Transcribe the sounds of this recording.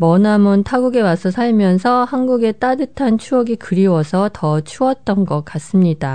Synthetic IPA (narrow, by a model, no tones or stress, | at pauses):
mʌnamɯntʰaɡuɡe̞wasʰʌsʰaɭmjʌnsʰʌhanɡuɡe̞t͈adɯtʰant͡ɕʰuʌɡikɯɾiwʌsʰʌtʌt͡ɕʰuʌt̚t͈ʌnɡʌk̚k͈as͈ɯmɲid̥a